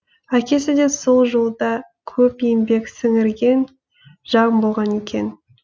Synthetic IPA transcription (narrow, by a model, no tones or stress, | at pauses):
ækʲe̞sɪd̪e̞so̞lˠʒolˠd̪ɑkʲʰɵpembe̞ksɪŋɪɾɡʲe̞n | ʒ̥ɑʁmbo̞lˠʁɑne̞kʲe̞̰n